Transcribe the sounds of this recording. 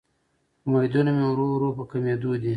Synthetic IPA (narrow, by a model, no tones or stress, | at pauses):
majd̪unamewɾowɾopəkamed̪ud̪i